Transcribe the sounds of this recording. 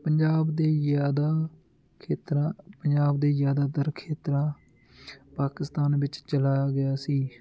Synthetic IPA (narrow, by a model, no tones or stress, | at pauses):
pəɲd͡ʒaːbd̪eːjaːd̪aː | kʰeːt̪ɾãpəɲd͡ʒaːbd̪eːjaːd̪aːd̪əɾkʰeːt̪ɾãː | paːkɪst̪aːnʋɪt͡ʃt͡ʃəlaːɡəjaːsiː